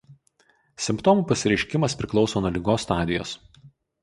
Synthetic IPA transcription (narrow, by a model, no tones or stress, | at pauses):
sʲɪmpt̪ɔmuːˑpɐsʲɪɾʲɛɪʃʲkʲɪmɐspʲɾʲɪklˠɒʊsoːnuɔlʲiːɡoːsːt̪ɑːd̪ʲɪjo̰ːs